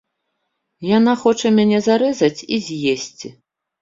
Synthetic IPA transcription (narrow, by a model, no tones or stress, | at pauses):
janaxɔt͡ʂɐmʲanʲɛzaɾɛzɐt͡sʲizʲjesʲt͡sʲi